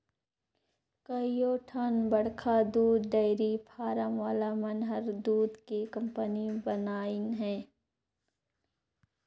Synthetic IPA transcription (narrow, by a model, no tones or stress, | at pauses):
kɐijoːʈʰənbɐɽkʰad̪uːd̪ɖɐɪɾipʰaːɾəmʋaːlamɐnɦəɾd̪uːd̪kekɐ̃mpənibənaːɪnɦɛ̃ː